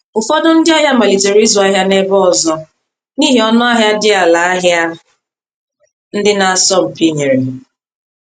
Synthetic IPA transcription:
ʊ˨fɔ˦dʊ˦n̩˦dɪ˦a˦ɦja˦ma˨li˨d͡ʒe˨ɾi˦zu˨a˦ɦja˦ne˦bɔ˦ɔ˨zɔ˦ | niː˦ɦi˨ɔ˦nʊ˦a˦ɦja˦dɪ˦a˨la˨a˦ɦja˦ | n̩˦dɪ˦na˨a˨sɔ˦m̩˨pi˦ɲe˨ɾe˨

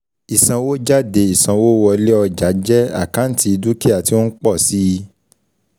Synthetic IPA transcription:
i˨sã˧wo˦d͡ʒa˦de˨˧˨i˨sã˧wo˦wɔ˧le˦ɔ˧d͡ʒa˨˦d͡ʒɛ˦a̰˦˨kã˨˦n̩˦ti˧i˧du˦ke˦a˨ti˧wo˦n̩˦k͡pɔ˦˨si˦i˧

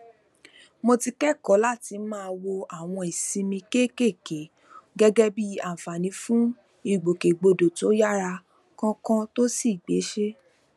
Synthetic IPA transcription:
mo˧ti˧kɛ˦˨kɔ˨˦la˦˨ti˧˦mãː˦˧wo˧a˨w̃ɔ̃˧i˨sĩ˧mĩ˧ke˦ke˦˨ke˨˦ | ɡɛ˦ɡɛ˦bi˦a˨fa˨nĩ˨˦fũ˦ | i˨ɡ͡bo˨ke˨ɡ͡bo˧do˨to˨˦ja˦ɾa˧ | kɔ̃˦kã˦to˦si˦˨ɡ͡be˨˦ʃe˦

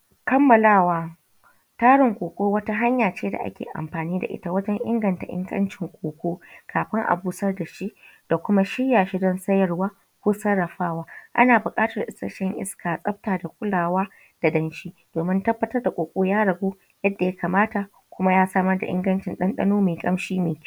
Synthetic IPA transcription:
kɐ˦mːɐ˨laː˦˨waː˦ | taː˦ɽɪ˨ŋkʷʼoː˨kʷʼoː˦wɐ˦ta˦ɦa˦ɲjaː˨t͡ʃeː˦da̰˨ʔa̰˦kʲḛː˨ʔa̰˨mɸaː˨niː˦da̰˨ʔɪ̰˦ta˨wɐ˦d͡ʒɛ˦ŋʔɪ̰˦ŋɡɐ˨nta˨ʔɪ̰˦ŋɡʼɐ̰˦nt͡ʃɪ˨ŋkʷʼoː˨kʷoː˦kʰaː˨ɸɪ˦ŋʔa̰˨buː˦sɐ˦rda˨ʃi˦ʔd̥a˨kʷʊ˦ma˦ʃɪ˦ɽjːaː˨ʃi˦dɔ˦nsɐ˦jɐ˨rwaː˦ | kʷoː˦sɐ˦ɽːɐ˨ɸaː˦waː˦ʔa̰˦naː˨bʊ˨kʼaː˦tɐ˨rʔɪ˦sɐ˦ʃɛ˦ŋʔɪ̰˦skʰaː˨sʼɐ˦ɸ̚taː˨da˨kʷʼʊ˦laː˨waː˦ | d̥a˨dɐ˦nʃiː˦d̥oː˨mɪ˦ntɐ˦bːɐ˨tɐ˦rda˨kʷʼoː˨kʷʼoː˦jaː˦ɽɐ˨ɡʷoː˦ | jɐ˦dːa˨ja˦kaː˨maː˦ta˨ | kʷʊ˦ma˦jaː˦saː˦mɐ˦rda̰˨ʔɪ̰˦ŋɡɐ˦nt͡ʃɪ˨nɗɐ˦nɗɐ̰˦noː˦meː˨kʼɐ˦mʃiː˦meː˨˦˨

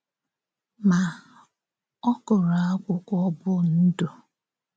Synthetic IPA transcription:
ma˨ | ɔ˦kʊ˨ɾa˨a˦kʷʊ˦kʷɔ˦bʊ˦n̩˦do˨

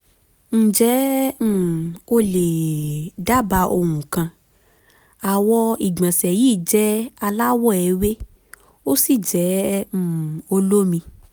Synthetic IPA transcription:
n̩˦˨d͡ʒɛ˨˦˨ | o˧le˨da˦ba˧o˧wũ˨kã˧ | a˨wɔ˧i˨ɡ͡bã˨sɛ˨jiː˦˨d͡ʒɛ˦a˧la˦wɔ˦˨ɛ˧˦we˦ | o˦si˦˨d͡ʒɛ̃˨˦ | o˧lo˦mĩ˧

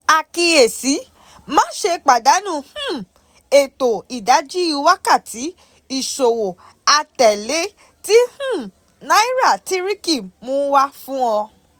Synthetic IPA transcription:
a˨ki˧e˨si˨˦ | mã˦ʃe˧k͡pa˨da˨˦nũ˦˨hũ˦ | e˨to˨i˨da˨˦d͡ʒi˦u˨˧˦wa˦ka˦˨tʰi˨˦ | i˦˨ʃo˨wo˨ | a˧tɛ˨le˨˦ | ti˦hũ˦˨ | nã˨˦i˦ɾa˦˨ti˦ɾi˦ki˦˨mõ˨˦wa˦fũ˦ɔ̃˧

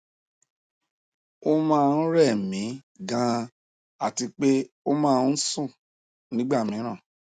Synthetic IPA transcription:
o˦mãː˦˧n̩˦ɾɛ˦˨mĩ˨˦ | ɡã˦ | a˦˨ti˧k͡pe˦ | o˦mãː˦˧n̩˦sũ˦˨ | nĩ˦ɡ͡ba˦˨mĩ˨˦ɾ̃ã˦˨

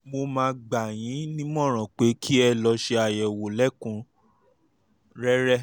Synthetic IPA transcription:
mo˧mãː˧ɡ͡ba˨j̃ĩ˨˦nĩ˦mɔ̃˦˨ɾ̃ã˨k͡pe˨˦kʰi˦ɛ˧lɔ˧ʃe˧a˨jɛ˨wo˨lɛ˦˨kũ˨˧ | ɾɛ˦ɾɛ˦

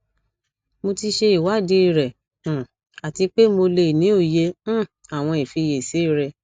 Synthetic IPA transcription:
mo˧ti˧ʃe˧i˨wa˨˦˨de˨˦i˦˧˨ɾɛ̃˨ | a˨ti˧k͡pe˦mo˧le˧˨nĩ˨˦o˦˨jẽ˧˦ | a˨w̃ɔ̃˧i˨fi˧˨je˨se˨˦i˦˨ɾɛ˨

